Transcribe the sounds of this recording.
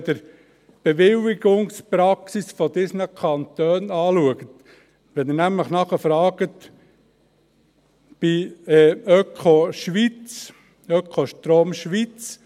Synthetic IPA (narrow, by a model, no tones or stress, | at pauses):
d̪əɾ | b̥eʋɪwiɡʊŋspɾɑksisfɔd̪ɪsnəkʰɑnt̪øːnɑːluəɡət̪ | ʋɛnɪnæmləχnɑχəfɾɑːɡ̥ət̪ | b̥iɛœkχoʃʋit͡s | œkχoʃt̪ɾoːmʃʋit͡s